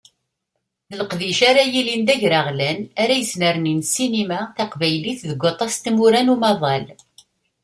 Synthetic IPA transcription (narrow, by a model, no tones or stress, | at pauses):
θələqðiʃaɾajilind̪æʝɾaʁlænaɾæjəsnəɾninsinimæθɑqvæjliθðəɡʷːot̪ˤɑst̪muɾænumɑðˤɑl